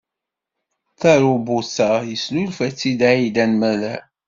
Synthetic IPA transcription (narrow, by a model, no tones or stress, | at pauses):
θæɾubusajəsnulfæt͡sːid̪aid̪ænmæðæ